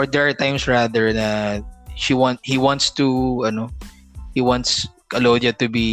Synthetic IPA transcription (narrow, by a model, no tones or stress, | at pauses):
ɔɹd̪ɛɹaɹt̪ãj̃msɹaðɛɹnaʃiwãnt̪̚hiwãnt̪st̪uɐno | hiwãnt̪skɐlod̪ɐt̪ʊbi